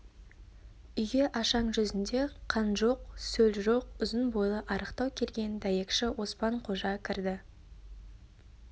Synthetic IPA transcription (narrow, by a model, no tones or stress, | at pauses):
ʏjɡʲe̞ʔɑʃɑɴʒʏzɪnd̪e̞qʰɑnʒo̞qsɵlʒo̞q̚ʏzənbo̞jlˠəʔɑɾəqt̪ɑwkʲʰe̞lɡʲe̞nd̪ɑjekʃɪwo̞spɑɴqʰo̞ʒɑkʲʰɪɾd̪ɪ